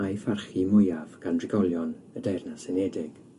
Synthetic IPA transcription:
ajfarχimʊjavɡ̥andrɪɡɔlˠjɔn | ədarnasɛnɛdɪɡ̥

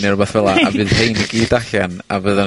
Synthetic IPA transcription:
nɨrʊbɛθvɛlˠaavɨːðhejniɡiːdaɬana̰vəða

